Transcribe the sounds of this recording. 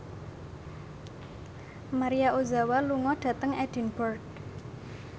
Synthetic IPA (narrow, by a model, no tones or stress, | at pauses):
maɾijaʔozawaluŋɔɖ̥ä̤t̪əŋɛd̥i̤nbɔrd